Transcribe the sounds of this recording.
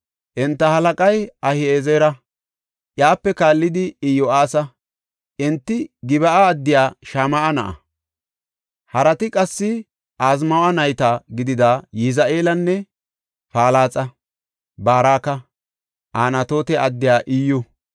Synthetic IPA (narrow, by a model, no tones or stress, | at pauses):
ʔɛnt̪ːɐhɐlɐkʼɐjɐhɪeːzeːɾɐ | ʔjaːpːɛkaːlːɪd̪ɪɪjɔʔaːsɐ | ʔɛnt̪ːɪɡɪbɐʔaːd̪ːɪjaːʃamɐʔɐnɐʔɐ̰ | hɐɾɐt̪ɪkʼɐsːɪ | aːzmɐwɐnɐjt̪aɡɪd̪ɪd̪ajɪzaʔeːlɐnːɛ | faːlaːt͡sʼɐ | baːɾaːkɐ | ʔaːnɐt̪o̞ːt̪ɛʔɐd̪ːɪjaːʔiːjʊ